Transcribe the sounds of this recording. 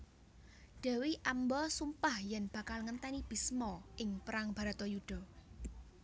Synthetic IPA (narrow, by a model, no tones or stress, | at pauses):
d̪̥a̤wiʔambɔsumpahjanb̥ä̤kalŋənt̪ɛnib̥i̤smɔʔɪŋpəɾaŋb̥a̤ɾat̪ɔjuɖ̥ɔ̤